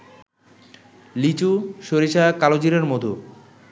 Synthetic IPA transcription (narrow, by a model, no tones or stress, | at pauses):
lit͡ɕuʃoɾiʃakalod͡ʑiɾeɾmod̪ʱo